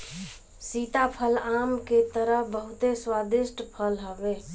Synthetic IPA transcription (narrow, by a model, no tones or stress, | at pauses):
sit̪apʰəlamket̪əɾəɦbəɦut̪eswad̪isʈpʰəlɦəbe